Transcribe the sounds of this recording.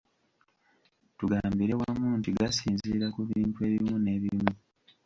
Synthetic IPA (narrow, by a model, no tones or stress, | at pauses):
tuɡaːmbiɾewamuːntiɡasiːnziɾakuβiːntue̞ːβimune̞ːβimu